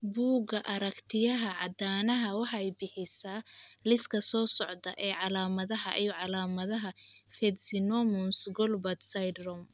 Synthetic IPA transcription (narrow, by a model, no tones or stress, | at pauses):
buːɡɐʔɐɾɐkt̪ʰɪjɐɦɐʕɑd̪aːnɐɦɐwɑħɑɛjbɪħɪsaːlɪskʰɐsɔːsɔʕd̪ɐʔɛːʕɑlaːmɐðɐɦɐʔijɔʕɑlaːmɐðɐɦɐfɛd̪sɪnɔmɔmsɡɔlbɐt̪sɐjd̪rɔm